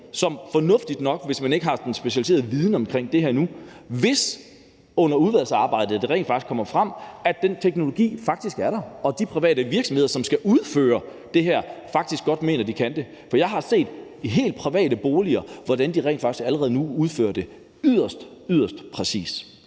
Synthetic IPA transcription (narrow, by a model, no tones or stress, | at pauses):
sɒ̽mfɒ̽nɔ̽fd̥id̥nɒ̽ɡ̥ʋe̝smæne̝ɡ̥əɦɑ̈d̥ensb̥e̝ɕælise̝ːɐð̩ˠʋiðˠn̩əɒ̽mkʰʁeŋ̰d̥e̝hæɐnu | ʋe̝s | ɔ̽n̰ɐuð̞ˠʋæl̰sɑ̈ːb̥ɑ̈ɪ̰d̥ð̩ˠd̥e̝ʁɛ̰n̥fɑ̈ɡ̥iskʰɒ̽m̰ɐfʁɑm̰æd̥ent͡sʰeɡ̥no̝lo̝ɡ̥ḭːfɑ̈ɡ̥̚d̥isɡ̥æɐɾɑ̈ɒ̽d̥ipʰʁiʋɛ̰ːd̥əʋiɐɡ̥sɒmhe̝ðˠɐsɒ̽msɡ̥æʔuðˠfø̰ːɐ | d̥e̝ɦæɐ̰fɑ̈ɡ̥d̥isɡ̥ɒ̽d̥me̝̰ːnɐd̥ikʰænd̥e̝ | fɒ̽jɑ̈ɪɦɑ̈se̝̰ːd̥iɦe̝̰ːld̥̚pʰʁiʋɛ̰ːd̥əb̥oːliɐʋɒd̥ænd̥iʁɛ̰nd̥fɑɡ̥isɡ̥æləʁɛːð̩ˠnuuð̞ˠfø̰ːɐd̥e̝ | yð̰ˠɐsd̥ | yð̰ˠɐsd̥pʰʁɛsḭːs